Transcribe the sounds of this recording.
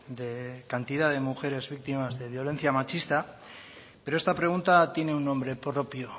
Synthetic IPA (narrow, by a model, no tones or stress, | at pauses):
d̪e̞kant̪iðaðe̞muxe̞ɾe̞zβik̚t̪imazðe̞β̞jo̞lẽ̞n̟θjamat͡ʃist̪a | peɾo̞est̪apɾe̞ɣ̞unt̪at̪je̞ne̞unːõ̞mbɾe̞pɾo̞pjo